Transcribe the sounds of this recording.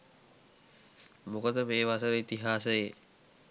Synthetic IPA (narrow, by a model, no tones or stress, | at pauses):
mukəd̪əmeːʋasəɾəit̪iɦaːsəje